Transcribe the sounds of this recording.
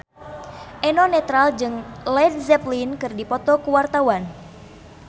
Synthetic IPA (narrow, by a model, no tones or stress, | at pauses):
ʔɛnɔnɛt̪ɾald͡ʒɨŋlɛd̚zɛplinkɨrdipɔt̪ɔkuwart̪awan